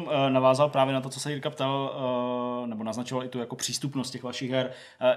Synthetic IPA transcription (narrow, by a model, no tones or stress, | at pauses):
mnavaːzalpɾaːvjɛnat̪o̞t͡sosɛiːɾkap̚t̪al | nɛbo̞naznat͡ʃovalɪt̪ujakopr̥iːst̪upnost̪cɛɣvaʃɪɣɦɛɾ